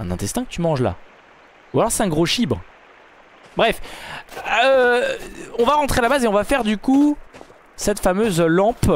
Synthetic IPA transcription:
ɛ̃nɛ̃t̪ɛst̪ɛ̃kə̥t̪ymɑ̃ʒla̰ | ualɔʁsɛ̥t̪ɛ̃ɡʁoʃibʁə | bʁɛf | ø | ɔ̃vaʁɑ̃t̪χealabazeɔ̃vafɛʁd̪yku | sɛt̪famøzlɑ̃p

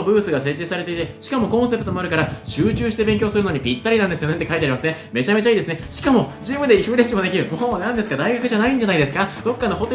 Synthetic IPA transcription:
obɯ̟ːsɨɡase̞t͡ɕːisaɾe̞t̪e̞it̪e̞ɕi̥kamo̞kõ̞ɰ̃se̞pɯ̟t̪omo̞aɾɯ̟kaɾaɕɨːt͡ɕɨːɕi̥t̪e̞be̞ŋkʲo̞ːsɨɾɯ̟noɲ̟ipʲit̪ːaɾʲinãnd̪esɨjo̞net̪ːekait̪eaɾimasɨne̞me̞t͡ɕame̞t͡ɕaiːd̪e̞sɨneɕi̥kamo̞d͡ʑiːmɯ̟d̪eiçiɯ̟ɾe̞ɕimo̞d̪e̞kʲiɾɯ̟moɦõβanãnd̪esɨ̥kad̪aiɡakɯ̟ʑanaĩɲ̟d͡ʑanaid̪esɨ̥kad̪̥o̞kːanoho̞t̪e

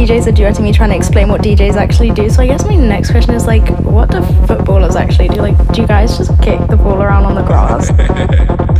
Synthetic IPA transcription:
id͡ʒeɪzədɨə̃θɪ̃ŋitʰɹ̥aɪə̃nɨksplẽɪ̃nwʌt̚d̥id͡ʒeɪzæk̚t͡ʃʉl̩ˠidɨsoʊaɪɡɛsminɛkskʰw̥ɛst͡ʃə̃nɨzlaɪk | wʌt̚d̥əfʊt̚b̥ɔlˠəzæ̰k̚t͡ʃʉl̩ˠidɨlaɪk̚d̥ɨjɨɡaɪzd͡ʒʌskʰɪk̚ðəbɔlˠəɹãʊ̃ndn̩ðəɡɹɑ̰z̥

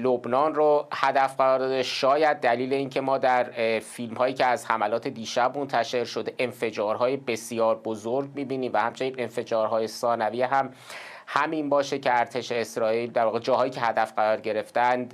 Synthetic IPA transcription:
lobnɒːnrohæd̪æfɢæɾɒːɾd̪ɒːd̪eʃɒːjæd̪̚ːæliːle̞iːncʰe̞mɒːd̪æɾfilmhɒːjiːcʰeæzhæmælɒːt̪ʰe̞d̪iːʃæbmont̪ʰæʃe̞ɾʃod̪eʔenfe̞d͡ʒɒːɾɦɒːje̞be̞sjɒːɾbozoɾɟmiːbiːniːmvæhæmt͡ʃʰe̞niːnenfe̞d͡ʒɒːɾɦɒːje̞sɒːnæviːɦæm | hæminbɒːʃecʰeæɾt̪ʰe̞ʃe̞ːsɾɒːiːld̪æɾvɒːɣed͡ʒɒːhɒːjiːcʰe̞hæd̪æfɢæɾɒːɾɟe̞ɾe̞ft̪ænd̪

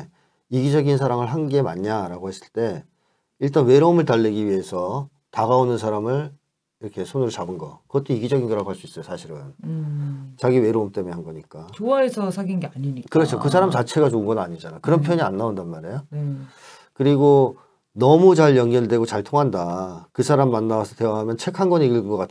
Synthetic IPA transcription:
iɡid͡ʑʌɡinsʰaɾaŋɯɭɦanɡe̞ma̰ɲɲaɾaɡoɦes͈ɯ̥ɭt͈e̞ | iɭt͈anwe̞ɾoːmɯɭtaɭːeɡiɥie̞sʰʌ | taɡaonɯnsʰaɾamɯɭ | iɾʌkʰe̞sʰonuɾot͡ɕabɯnɡʌkɯɡʌt͈oiɡid͡ʑʌɡinɡʌɾaɡoɦaɭs͈uis͈ʌjosʰaɕʰiɾɯn | t͡ɕaɡiwe̞ɾoomt͈e̞menɦanɡʌɲik͈at͡ɕoaɦesʰʌsʰaɡinɡeaɲiɲikɯɾʌt͡ɕʰokɯs̬ʰaɾamt͡ɕat͡ɕʰe̞ɡat͡ɕoɯnɡʌnnaɲid͡ʑanakɯɾʌnpʰjojʌɲianːaondanmaɾejo | kɯɾiɡo | nʌmut͡ɕaɭjʌŋɡjʌndwe̞ɡot͡ɕaɭtʰoŋɦandakɯsʰaɾamimanːawasʰʌtwe̞waɦamjʌnt͡ɕʰe̞kʰanɡʌniɡɯɡɯŋɡʌk͈atʰ

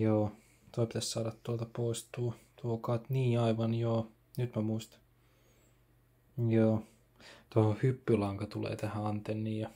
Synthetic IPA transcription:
joː | t̪oipit̪æssɑːdɑt̪t̪uolt̪ɑpoˑist̪uot̪uokɑˑt̪niːɑiʋɑnjoː | nyt̪mæmuist̪ɑ̥ | joː | t̪ohohypːylɑŋkɑt̪ulḛːt̪æhæɑnt̪enːiːjɑ

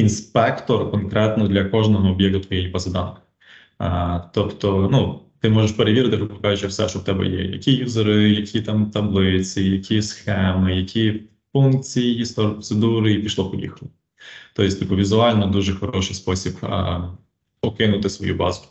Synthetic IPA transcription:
inspɛkt̪ɔrkɔnkɾɛt̪nɔd̪lʲɐkɔʒnɔɦɔːbjɛk̚t̪ʊt̪ʋɔjɛjipɐzɐd̪ɑnkɪ̥ | t̪ɔpt̪ɔnut̪ɪmɔʒeʃpeɾeʋʲiɾɐt̪ɪpɔppɔkazʊt͡ʃɛwsɛ̰ʃt͡ʃɔwt̪ɛbɛ̰jɛ̰jɐ̰kʲijuzeɾɪjɐkʲit̪ɑmt̪ɐblˠɪt͡sʲijɐkʲʰisxɛmɪjɐkʲʰi | funk̚t͡sʲijjist̪ɔɾpɔsed̪uɾɪipʲiʃlˠɔpɔjʲḭxlˠɪ | t̪ɔjɪsʲt̪ipʊʋʲizʊɑlʲnɔd̪uʒɛxɔɾɔʃɪjspɔsʲib̰ | ɔkɪnʊt̪ɪsʋɔ̰jṵbɑ̰zʊ̥

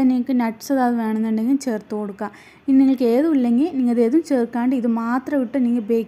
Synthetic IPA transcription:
ɐniŋkːɨnɐʈːsɐðaːðɨʋeːɳɐnːuɳɖeŋɡilt͡ɕeːrt̪ːukoɽukːaː | iniŋːɐɭke̞ːðuilːeŋɡilniŋːɐɭðe̞ːðumt͡ɕe̞ːrkːaːɳɖɨiðɨmaːt̪rɐʋiʈːɨniŋːɐbeːk

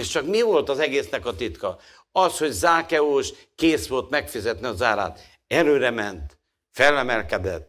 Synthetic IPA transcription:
eʃt͡ʃɒkmivo̞lt̪ɒzɛɡeːsnɛkɒt̪it̪kɒ | ɒsho̞ɟzaːkɛoːʃ | keːsʋo̞lt̪mɛkfizɛt̪niɒzaːɾa̰ːt̪ | ɛɾøːɾɛmɛnt̪ | fɛlːɛmɛlkɛd̪ɛ̰t̪ː

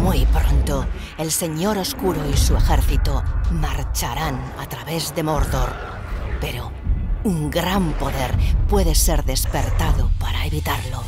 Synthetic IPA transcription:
mujpɾo̞nt̪o | e̞lse̞ɲo̞ɾo̞skuɾoisue̞xeɾθit̪omaɾt͡ʃaɾanat̪ɾaβe̞zðe̞moɾðoɾ | pe̞ɾo | uŋɡɾampo̞ðe̞ɾpwe̞ðese̞ɾðe̞spe̞ɾt̪aðopaɾaeβit̪aɾlo̞

